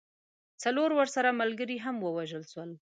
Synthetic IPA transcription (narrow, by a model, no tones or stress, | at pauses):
t͡saloɾwəɾsaɾamalɡəɾiɦamwəwaʒəlʃwəl